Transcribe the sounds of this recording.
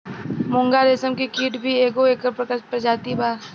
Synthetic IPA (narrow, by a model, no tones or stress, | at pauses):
mʊ̃ŋɡaːɾesəmkikiːʈbʱieːkoeːkəɾpɾəkəpɾəd͡ʒaːt̪ibʱaː